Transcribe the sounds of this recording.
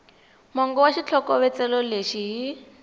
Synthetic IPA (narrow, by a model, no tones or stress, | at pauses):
mɔŋɡɔwaʃit͡ɬʰɔkɔβɛt͡sɛlɔleʃiɦi